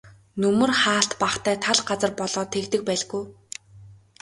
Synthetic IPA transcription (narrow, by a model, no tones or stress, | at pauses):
nɵmɵ̆rχaːɬt̪paχt̪ʰæːt̪ʰaɮɢat͡sə̆rpɔɮɔːt̪ʰekt̪ɘ̆k̚pæːɮɣuj